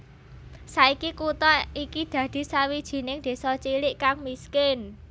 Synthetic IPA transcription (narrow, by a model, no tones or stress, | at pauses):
saikikut̪ɔikid̪̥ä̤d̪̥i̤sawid̥ʒ̥i̤nɪŋd̪̥e̤sɔt͡ʃilɪʔkaŋmiskɪn